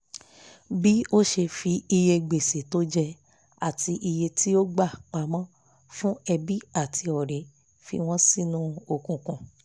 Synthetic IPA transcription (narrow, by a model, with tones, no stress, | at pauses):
bi˦o˦ʃe˧fi˧i˧je˧ɡ͡be˨se˨to˦d͡ʒɛ˧ | a˨ti˧ʔi˧je˧ti˦o˦ɡ͡ba˦˨k͡pa˨˦mã˦ | fũ˦ɛ˧bi˦a˦˨tʰi˧ɔ˨ɾe˨ | fḭ˧w̃ɔ̃˦sĩ˦˨nũ˦o˦˨kũ˨kũ˨